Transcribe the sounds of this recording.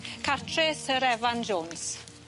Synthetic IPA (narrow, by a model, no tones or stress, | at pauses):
kʰatʰɾesəɾɛvand͡ʒɔns